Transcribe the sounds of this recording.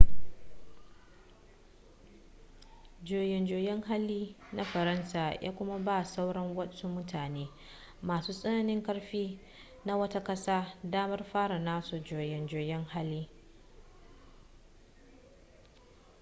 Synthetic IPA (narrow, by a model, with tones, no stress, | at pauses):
d͡ʒoː˨jɛ˨nd͡ʒoː˨jɛ˦ŋha˦lːiː˦ | na˦ɸɐ˨ɾɐ˦nsaː˨jʔa̰ː˦kʷʊ˦ma˦baː˦sa˦wɽɐ˦ŋwɐ˦su˦mʊ˦tʰaː˨neː˦ | maː˨suː˦sʼɐ˦na˨nɪ˦ŋkɐ˦ɽɸiː˦ | na˦wɐ˦ta˦kɐ˦saː˦daː˦mɐ˦rɸaː˦ɽa˨naː˦su˨d͡ʒoː˨jɪ˨nd͡ʒoː˨jɛ˦ŋha˦lːiː˦